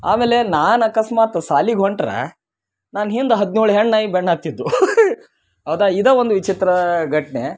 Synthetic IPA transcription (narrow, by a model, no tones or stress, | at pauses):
a̰ːmeːlenaːnɐkɐsmaːt̪ɐsaːliɡʱoɳʈɾḛ | naːnɦind̪ɐɦɐd̪nuːɭɦeɳɖnaːjibeɳːaːt̪ːid̪ːu | ɦɐʋd̪aid̪ɐːʋond̪uʋit͡ʃit̪ɾɐɡʱɐʈɳe